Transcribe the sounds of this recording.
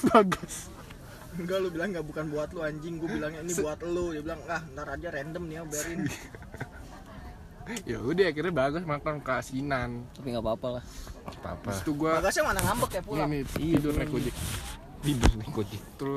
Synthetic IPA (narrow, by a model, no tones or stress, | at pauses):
baɡʊs | ŋɡalubilaŋɡaʔbukanbuat̪luaɲd͡ʒɪŋɡuabilaŋɲainiuat̪ludɛbilaŋlahntaɾad͡ʒaɾɛndəmniabɛɾɪn | jaudɛakirɲabaɡʊsmanakakasinant̪apiŋɡapapalahapa̰past̪uɡuabaɡasɲamanaŋambəkjapuniniidʊrnɛkod͡ʒɛk̚ | t̪idʊrnɛkod͡ʒɛk̚t̪ɾʊ